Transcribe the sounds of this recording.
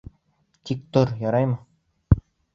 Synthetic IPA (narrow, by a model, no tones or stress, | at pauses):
t̪ʲik̚t̪oɾjɒɾɑjmɤ